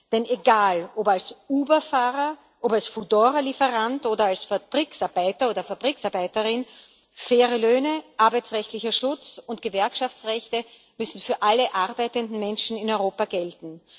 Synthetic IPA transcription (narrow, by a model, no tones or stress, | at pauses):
d̥ɛneɡaːlopalsuːbɐfaːʁɐ | ʔopalsfudoːʁɐlifəʁantoːdɐalsfab̥ʁiksaɐbaɪtɐoːdɐfab̥ʁiːksaɐbaɪtəʁɪn | fɛːʁəløːnəʔaɐbæɪt͡sʁɛçtlɪçɐʃʊt͡sʊnt̚ɡ̥əvɛɐkʃaft͡sʁɛçtə | mʏsn̩fyːɐʔaləʔaʁbæɪtəndn̩mɛnʃn̩ɪnɔʏʁoːpaɡɛltn̩